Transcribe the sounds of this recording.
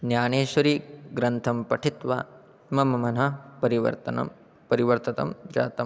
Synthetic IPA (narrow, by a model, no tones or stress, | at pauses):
njaːneːʃɐɾiːɡɾɐnt̪ʰɐmpɐʈʰit̪ʋa̰ | mɐmɐmɐnɐpɐɾiʋɐ̰ɾt̪ɐnɐ̰m | pɐɾiʋɐɾt̪ɐt̪ɐ̰md͡ʒa̰ːt̪ɐ